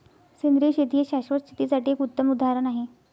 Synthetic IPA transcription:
sind̪ɾiɕet̪ieɕaɕʋət͡ɕʰit̪isaʈiːekut̪ːəmud̪ʱaɾənaɦe

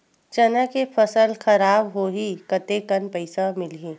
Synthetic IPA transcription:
t͡ʃɐnakepʰəsəlxɐɾaːbɦoːɦikət̪ekɐnpəɪsamɪlẽː

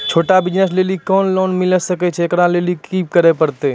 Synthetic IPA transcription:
t͡ʃʰoːʈabɪd͡ʒnəsleːlikɔːnlɔːnmɪləsəkɛt͡ʃʰɛːkɾãlelikiːp̚kəɾepəɾt̪e

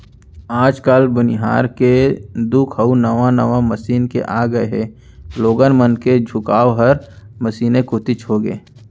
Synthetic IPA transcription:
aːd͡ʒkaːlbɐnɪɦa̰ːɾked̪ukʰɦəunɐʋanəʋãmɐsiːnkḛʔaːɡəeɦɛː | loːɡənmənked͡ʒʱʊkaːʋɦəɾməsiːnekʊt̪ɪt͡ʃɦoɡḛː

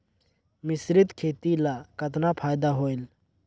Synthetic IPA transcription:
misɾit̪kʰet̪ilakət̪napʰaːjd̪aɦoel

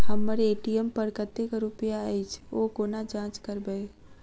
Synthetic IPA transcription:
həmːəɾeːʈijəmpəɾkət̪ːekɾʊpjaəjt͡ʃʰoːkoːnad͡ʒãːt͡ʃkəɾbəe

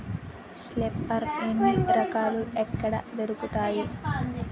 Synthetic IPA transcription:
slepːɐɾenːiɾɐkaːluekːɐɽɐ̰d̪eɾukut̪aːji

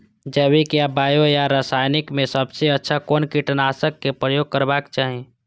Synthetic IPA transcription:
d͡ʒəːbikiabaːjojaɾasaːjnɪkmẽsəbseətːʃʰakoːnkiʈənaːsəkːepɾəjoːɡ̚kəɾbaːkt͡ʃaːɦẽː

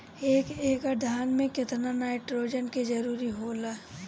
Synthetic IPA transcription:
eːkeːkad̪ʱaːnmẽkɪt̪nanaːɪʈɾoːd͡ʒənked͡ʒɐɾuːɾiɦoːlaː

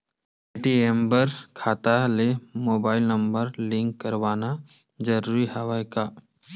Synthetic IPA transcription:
eʈiembəɾkʰaːt̪alemoːbaːɪlnəmbəɾlɪ̃ŋkːəɾʋaːna | d͡ʒəɾuːɾiɦɐʋajka

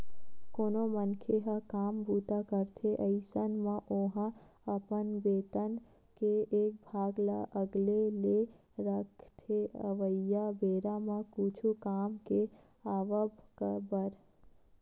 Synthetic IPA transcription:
koːnomənkʰeɦəkaːmbuːt̪akəɾt̪ʰeʔəɪsənməʔoːɦə̃əpənbeːt̪ən | keeːk̚bʱaːɡla̰ʔəɡlele | ɾəkʰt̪ʰeə̰ʋəjabeːɾamə̃kut͡ʃʰukaːmke | aːʋəbkəbəɾ

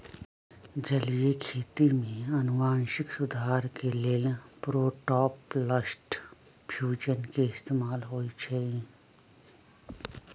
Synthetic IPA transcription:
d͡ʒɐlijekʰeːt̪imẽɐnʊʋaːnʃɪksʊd̪ʱaːɾkeleːlpɾoːʈɔːpləsʈ | pʰjuːd͡ʒənkeɪst̪eːmaːlɦoːit͡ʃʰeː

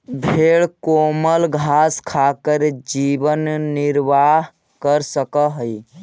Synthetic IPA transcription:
bʱeɭkoməlɡʱaskʰakəɾd͡ʒibənːɪɾʋaɦ | kəɾsəkəɦəi

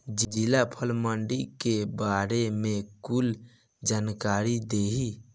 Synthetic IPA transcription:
d͡ʒd͡ʒilapʰəlməɳɖikebaɾemekul | d͡ʒankaɾid̪eɦi

